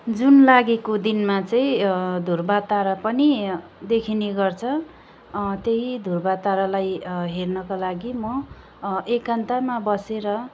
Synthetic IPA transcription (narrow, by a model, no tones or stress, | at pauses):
d͡zunlaɡikod̪inmat͡sʌĩd̪ʱurbat̪aɾʌpʌnid̪ekʰineɡʌrt͡sʰʌ | t̪eɦid̪ʱurbat̪aɾalajɦernʌkalaɡimʌ | ekant̪amabʌseɾʌ